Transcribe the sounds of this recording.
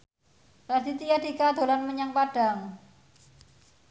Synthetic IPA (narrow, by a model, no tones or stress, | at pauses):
ɾad̪it̪ijad̪ikad̪̥o̤lanməɲaŋpaɖ̥a̤ŋ